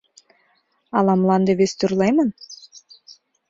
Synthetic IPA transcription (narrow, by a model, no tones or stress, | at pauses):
ɑlˠɑmlˠɑnd̪eβʲest̪uɾlˠɑjmɤn